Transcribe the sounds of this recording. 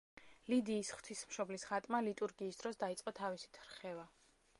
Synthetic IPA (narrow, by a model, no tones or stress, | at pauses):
lid̪iːsχw̥t̪ʰismʃɔblisʁat̪ʼmalit̪ʼuɾɡiːsd̪̥ɾɔsd̪ait̪sʼqʼɔt̪ʰavisi̥t̪ʰɾχɛva